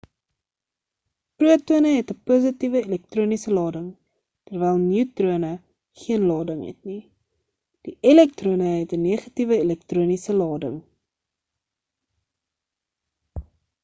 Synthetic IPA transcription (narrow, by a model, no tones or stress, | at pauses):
pruətuənəɦɛtəpuzətivəilɛk̚truənisəlɑːdəŋ | tərvɛjlˠniwtruənə | χiənlɑːdəŋɦɛ̰tni | d̥iilɛk̚truənəɦɛtəniəχɐtivəilɛk̚truənisəlɑːdə̰ŋ